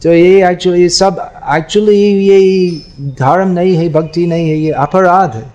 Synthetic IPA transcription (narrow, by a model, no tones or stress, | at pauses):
t̪ojeæk̚t͡ʃulˠisɐbæk̚t͡ʃuəlˠije | d̪ʱaɾəmnɐiɦɛbʱɐɡt̪inɐiɦejeʔɐpəɾad̪ʱ